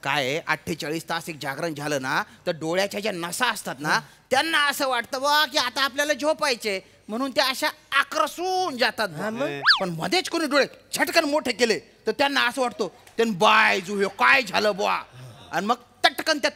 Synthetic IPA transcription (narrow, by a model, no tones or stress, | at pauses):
ka̰jea̰ʈʰːet͡ɕaɭiːst̪asek̚d͡ʑaɡɾəɳd͡zʱaləːnat̪əɾɖoɭjat͡ɕad͡ʑjanəsaəst̪at̪nat̪janːaəsəːʋaʈt̪əboakiat̪aːpljaləd͡ʑopajt͡ɕe | m̤əɽ̃uːnt̪eəɕaːkɾəsuːnd͡zat̪at̪̚məəpəɳm̤ə̰d̪ʱet͡skoñuːɖoɭet͡sʰəʈkənmoʈʰekele | t̪əɾt̪janːaəsəːʋaʈt̪o | t̪enbajd͡zuɦjokajd͡zʱaləːboʋa̰a̰niməɡ̚ | t̪əʈkənt̪ja